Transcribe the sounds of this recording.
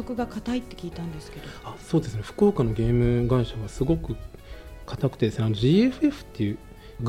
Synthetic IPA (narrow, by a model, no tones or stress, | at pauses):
okɯ̟ɡakat̪ait̪ːe̞kʲiːt̪ãnd̪e̞sɨ̥ke̞d̪oaso̞ːd̪e̞sɨne̞ɸɯ̟̥ko̞ːkano̞ɡʲe̞ːmɯ̟ɡaiɕaβasɨɡo̞kɯ̟kʰat̪akɯ̟̥t̪e̞d̪esɨneano̞ʑiːeɸɯ̟e̞ɸɯ̟̥t̪ːe̞jɯ̟ː | ɡ